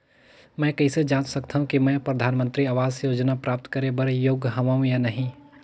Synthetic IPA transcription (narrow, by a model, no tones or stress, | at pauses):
mɛ̃ːkɐised͡ʒaːnt͡ʃsɐkt̪aːɦũkimɛ̃ːpɾɐd̪ʱaːnmə̃nt̪ɾiaːʋaːzjoːd͡ʒnapɾaːp̚t̪kɐɾebɐɾjoːɡɦɐʋaũjanɐɦĩ